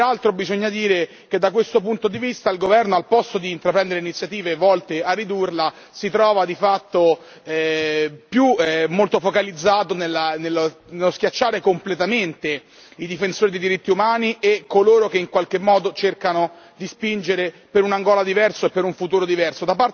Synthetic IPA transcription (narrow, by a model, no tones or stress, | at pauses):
ɾalt̪ɾobizoɲːad̪iːɾe | k̟ed̪ːakwest̪opunt̪od̪ivist̪ailɡovɛrnoalpɔst̪od̪iːnt̪ɾapɾɛnd̪eɾeinit̪sjat̪iːvevɔlt̪earːid̪urla | sit̪ɾɔːvad̪ifat̪ːo | ɛpjuɛmolt̪ofokalid̪zːaːt̪onelːanelːnelːosk̟ʲjat͡ʃːaːɾekomplet̪ament̪e | id̪ifensoːɾid̪ejd̪iɾit̪ːiumaːniʔekːoloːɾok̟eiŋkwalk̟emːɔːd̪ot͡ʃerkano | d̪ispind͡ʒeɾe | peɾunaŋɡɔːlad̪ivɛrsoepːeɾuɱfut̪uːɾod̪ivɛrsod̪apːa